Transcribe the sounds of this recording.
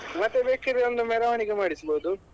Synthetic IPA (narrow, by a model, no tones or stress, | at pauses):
mɐt̪ːebeːkiɾeond̪umɛɾɐʋaɳiɡemaːɽisboːd̪u